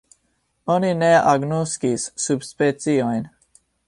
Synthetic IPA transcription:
onineaɡnoskisːubspɛt͡siojn

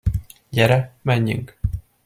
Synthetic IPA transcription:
ɟɛɾɛmɛɲːy̰ŋk

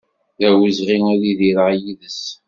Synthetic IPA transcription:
ðæwəzʁiŋæliðiɾəʕjiðəs

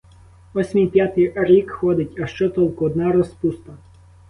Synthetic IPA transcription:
ɔsʲmʲijpʲjat̪ɪjɾʲikxɔd̪ɪtʲɐʃt͡ʃɔt̪ɔlˠkʊɔd̪nɑɾɔspust̪ɐ

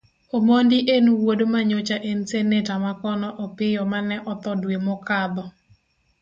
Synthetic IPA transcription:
omondɪʔenuwodomaɲot͡ʃaʔensenetamakɔnɔʔɔpɪjɔmanɛʔɔt̪ɔdwemɔkad̪ɔ

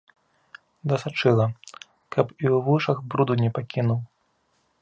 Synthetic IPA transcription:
d̪ɐsat͡ʂɨlˠɐ | kʰɐpiwvɨʂɐɣbɾud̪unʲɛpakʲinuw

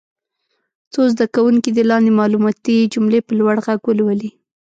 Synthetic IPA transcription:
t͡sozd̪akawuŋkid̪əlɑnd̪emɑlumɑt̪id͡ʒumlepəlwaɽɣaɡwəlwəli

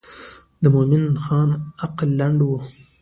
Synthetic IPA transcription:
d̪əmomɪnxɑːnaqlːaɳɖwo

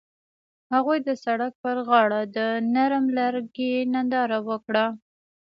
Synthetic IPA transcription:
haɣujd̪əsaɽak̚pəɾɣɑɽad̪ənaɾmlaɾɡenand̪ɑɾawəkɽa

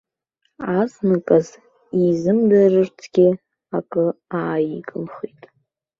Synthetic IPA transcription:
aznakʼaz | izɨmdarɨrtʰɡ̥ʲɪ | akʼɨaːjikʼɨmχitʼ

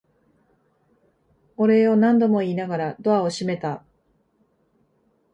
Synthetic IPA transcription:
oɾe̞o̞nãnd̪o̞mo̞iːnaɡaɾad̪o̞ao̞ɕime̞t̪a

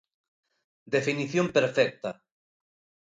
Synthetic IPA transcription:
d̪efiniθjõmpeɾfɛk̚t̪ɐ

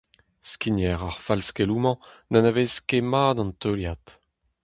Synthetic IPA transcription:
skʲinjɛʁaʁfalskelumɑ̃nanaveskemaːdɑ̃nt̪øljat̪

